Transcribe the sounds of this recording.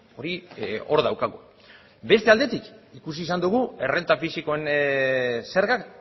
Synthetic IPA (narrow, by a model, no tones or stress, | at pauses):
o̞ɾio̞ɾðawkaɣu | be̞st̪eald̪e̞t̪ikikus̬iːsand̪uɣ̞ue̞re̞nt̪afisiko̞e̞n | se̞ɾɣak